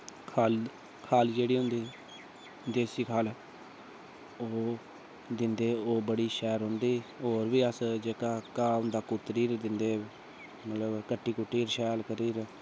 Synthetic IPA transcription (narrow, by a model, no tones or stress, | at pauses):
kʰal | kʰaːld͡ʒeːɽiːɦʊnd̪iː | d̪eːsiːkʰaːl | oː | d̪ɪnd̪eːoːbəɽiːʃɛːɾɦʊ̃nd̪iːoːɾʋiːəsd͡ʒeːkaːkaːʊ̃nd̪aːkʊt̪ɾiːɾd̪ɪnd̪eː | mət̪ləbkəʈːiːkʊʈːiːɾʃɛːlkəɾiːɾ